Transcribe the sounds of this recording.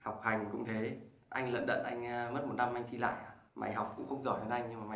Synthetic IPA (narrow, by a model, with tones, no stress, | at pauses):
ha˨˩wk͡p̚ha˨˩jŋ̟kʊ̰˧˥ŋ͡mt̪ʰe˨˦ | ʔa˧jŋ̟lə̰˧˨nɗə̰˧˨nʔa˧jŋ̟ː˧m˦˥t̚mo˨˩t̚na˧mʔa˧jŋ̟t̪ʰi˧la̰ː˧˨jaː˨˧˩ | ma̰˨˩jɦa˨˩wk͡p̚kʊ̰˧˥ŋ͡mxə˧wŋ͡mzɔ˧˩je˨˦nʔa˧jŋɲɨ˧ŋmaː˨˩ma˨˩